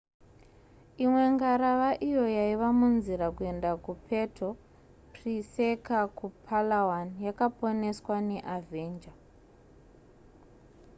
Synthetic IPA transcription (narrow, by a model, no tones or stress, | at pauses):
imwe̞ŋɡaɾaʋaʔijo̞jaiʋamunziɾakue̞ndakupʰe̞tʰo | prisekakupʰalawanjakapo̞ne̞swane̞ʔavʱeːnd͡ʒa